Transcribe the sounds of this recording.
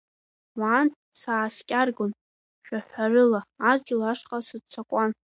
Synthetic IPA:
waːntʼ | saːskʲʼarɡon | ʃᶣaħʷarɨlaːrɡʲɪlaʂqʼasɨdt͡sʷʰakʷʼan

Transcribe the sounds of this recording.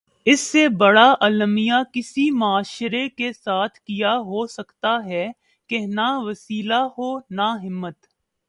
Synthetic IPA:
ɪsːebɐɽaʔɐlmijakɪsimʊaːʃɾekesaːt̪ʰkijaɦosɐkt̪aɦɛ | kenaʋɐsiːlaɦoːnaɦɪmːət̪

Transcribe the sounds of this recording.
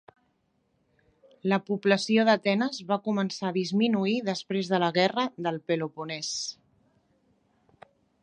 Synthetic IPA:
ləpupləsioðət̪ɛnəzβakumənsaðizminuiðəspɾezðələɣɛrəðəlˠpelopunɛs

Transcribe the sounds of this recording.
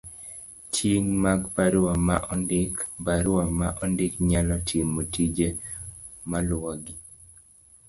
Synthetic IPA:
t͡ʃʰiŋmaɡpaɾwamaʔɔndɪkbaɾamaʔɔndɪkɲalɔtʰimːotid͡ʒe | malwɔɡi

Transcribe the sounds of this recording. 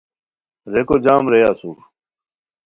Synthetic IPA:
ɾekoːd͡ʑaːmɾejaːsuː

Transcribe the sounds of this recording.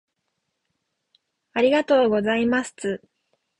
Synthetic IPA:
aɾʲiɡat̪o̞ːɡo̞zaimast͡sɨ

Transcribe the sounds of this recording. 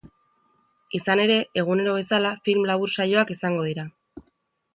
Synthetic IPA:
isane̞ɾe̞eɣ̞une̞ɾo̞βe̞salafilmlaβ̞uɾsajo̞akisaŋɡo̞ð̞iɾa

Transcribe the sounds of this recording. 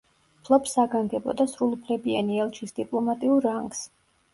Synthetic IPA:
pʰlˠɔbsaɡaŋɡɛbɔ̰d̪asɾulˠupʰlɛbianiɛlˠt͡ʃʰisd̪̥ipʼlˠɔmat̪ʼiuɾːaŋɡs

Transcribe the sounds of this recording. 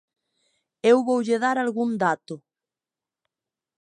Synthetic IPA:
ewβowʎeðaɾalɣund̪at̪ʊ

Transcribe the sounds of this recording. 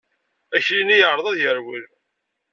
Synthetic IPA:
æçlinijəʕɾˤəðˤɑðjəɾwil

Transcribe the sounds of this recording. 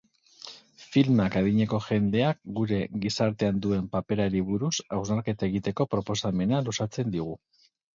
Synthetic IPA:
filmakaðiɲe̞ko̞ʝe̞nd̪e̞ak̚ɡuɾe̞ɣisaɾt̪e̞and̪ue̞mpape̞ɾaɾiβuɾusawznaɾke̞t̪ae̞ɣ̞it̪e̞ko̞pɾo̞po̞same̞nalusat͡se̞nd̪iɣ̞u

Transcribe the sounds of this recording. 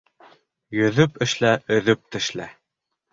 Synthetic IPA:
jɵ̆ðɵpɘ̆ʃlæʔɵ̆ðɵp̚t̪ɘ̆ʃlæ

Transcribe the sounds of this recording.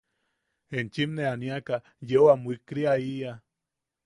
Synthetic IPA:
ent͡ʃimneaniaka | jewamwikɾiaia

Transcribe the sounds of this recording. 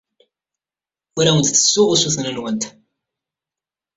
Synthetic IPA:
wæɾæwənt̪θə̥sːʊʁusuθnənwənt̪

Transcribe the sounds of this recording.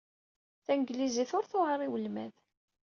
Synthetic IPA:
θæŋɡliziθʊɾθoʁəɾˤiwəlmæð

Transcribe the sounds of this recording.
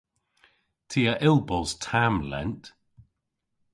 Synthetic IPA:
tʰiːəʔɪlˠbɔlztʰamlɛ̰nt

